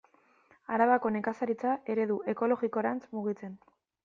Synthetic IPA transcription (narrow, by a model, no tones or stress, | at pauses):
aɾaβako̞ne̞kasaɾit͡saʔe̞ɾe̞ðuʔe̞ko̞lo̞ɣiko̞ɾant͡smuɣit͡se̞n